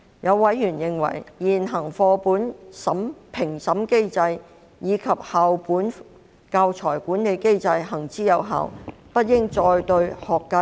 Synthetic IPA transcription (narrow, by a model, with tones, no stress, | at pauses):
jɐ˨˧wːɐ˨˥jjyː˨˩njɪ˨˧ŋwɐ̰˨˩jjiː˨˩nɦɐ˨˩ŋfɔː˧puː˨˥nsɐ˨˥mpʰɪ˨˩ŋsɐ˨˥mke˥jt͡sɐ˧j | jiː˨˧kʰɐ˨p̚haː˨wpuː˨˥n | ka˧wt͡sʰɔː˨˩jkuː˨˥nne˨˧jke˥jt͡sɐ˧jɦɐ˨˩ŋt͡siː˥jɐ˨˧wɦa̰ː˨wpɐ˥t̚jɪ˥ŋt͡sɔː˧jt̪ɵ˧ɥhɔː˨˩kːɐ˧